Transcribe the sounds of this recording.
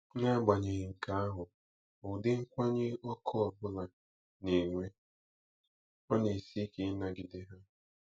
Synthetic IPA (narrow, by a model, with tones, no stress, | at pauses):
ɲa˦˨ɡ͡ba˨ɲe˨ɣɪ˨ŋ̩˨ka˨˦a˦ɦʊ˨ | ʊ˨dɪ˦ŋ̩˦kʷa˦ɲe˦ɔ˦kʰɔ˦ɔ˨bʊ˦la˨ | ne˨ŋʷe˦ | ɔ˦ne˨si˦ke˦na˦ɡɪ˦dɪ˦ɦa˦